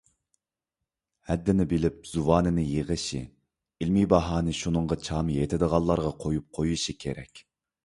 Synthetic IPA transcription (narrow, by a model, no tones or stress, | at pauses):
hɛd̪ːɪnɪbɪlɪp̚z̥uwɑːnɪnɪjeʁəʃḭ | ilmibɑɦɑːnɨʃunɨɴʁɑt͡ʃʰɑmjet̪ʰɪd̪əʁɑlˠːɑɾʁɑqʰojup̚qʰojuʃikʲʰḛɾɛ̰kʲ